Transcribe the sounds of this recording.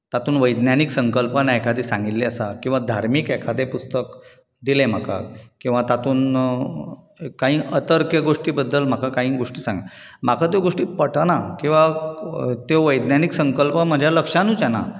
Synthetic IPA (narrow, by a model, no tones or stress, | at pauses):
t̪at̪uːnʋəjd̪njaniksəŋkəlpənaekʰad̪esãŋɡilleəsakĩw̃ʋad̪ʱaɾmiːkɛekʰad̪epust̪ək | d̪ilem̤aka̰kĩw̃ʋat̪at̪uːn | kːãɦĩːʔət̪əɾkjəɡoʂʈiːbəd̪ːəlm̤akakaɦĩːɡoʂʈiːsãŋɡa | m̤akʰat̪̬joɡoʂʈiːpəʈnakĩw̃ʋa | t̪oʋəjd̪njaniksəŋkəlpəm̤əd͡ʑʱjaləkʂãnũːd͡ʑana̰